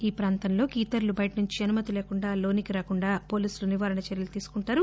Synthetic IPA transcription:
iːpɾaːnt̪ɐnlo̞ːkiːt̪ɐɾlubɐjʈɐnuɲt͡ʃiɐnumɐt̪ileːkuɳɖaːlo̞ːnikiɾaːkuɳɖaːpo̞ːliːsuluniʋaːɾɐɳɐt͡ʃɐɾjɐlut̪iːsu̥kuɳʈaːɾu

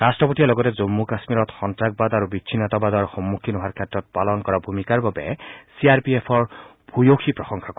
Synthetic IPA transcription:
ɹastɹɔpɔtijalɔɡɔtɛzomːukasmiɹɔtxɔntɹaɡ̚badaɹubitʃʰinɔtabad̪ɔɹxɔmːukʰinuɦaɹkʰɛtɹɔt̚palɔnkɔɹabʱumikaɹbabɛ̰siaɹpiepʰɔɹ | bʱujoxʰipɹɔsɔŋkʰak

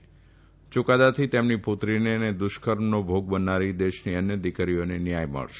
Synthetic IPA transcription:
t͡ʃʊkad̪at̪ʰit̪emniput̪ɾinened̪ʊʃkəɾmnobʱoɡ̚bənaɾid̪eʃniənjəd̪ikɾijonenijajmə̰ɭʃe̥

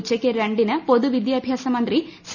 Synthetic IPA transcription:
t͡ʃːɐkːeɾɐɳɖinɐpod̪uʋid̪jiɐbʱjaːsɐmɐnd̪ɾis

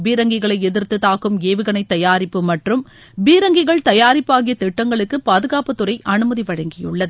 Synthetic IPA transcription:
biːɾɐŋɡɪɣɐɭɐɪɛðɪɾt̪ɯt̪aːkɯmeːʋɯɣɐɳɐɪt̪ːɐjaːɾɪpːɯmɐʈrɯm | biːɾɐŋɡɪɣɐɭt̪ɐjaːɾɪpːaːɣɪjɐt̪ɛʈːɐŋɡɐɭɯkːɯpaːðɯɣaːpɯt̪ːɯrɐɪʔɐnɯmɐðiʋɐɻɐŋɡɪjɯɭːɐðɯ

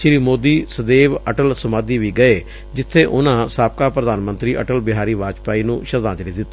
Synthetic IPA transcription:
ʃɾiːmoːd̪iːsəd̪eːʋəʈəlsəmaːd̪iːʋiːɡəeː | d͡ʒɪt̪ʰːeːʔʊnãːsaːp̚kaːpɾəd̪aːnmə̃nt̪ɾiːʔəʈəlbɪɦaːɾiːʋaːd͡ʒpaːiːnũːʃəd̪ãːd͡ʒɾiːd̪ɪt̪ː

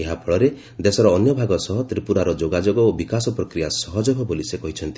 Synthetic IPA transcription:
eɦapʰɔɭɔɾe | d̪esɔɾɔːnjɔbʱaɡɔsɔɦɔt̪ɾipuɾaɾɔd͡ʒoɡad͡ʒoɡɔobikasɔpɾɔkɾijasɔɦɔd͡ʒɔbʱɔbolisekɔɦit͡ʃʰɔnt̪i

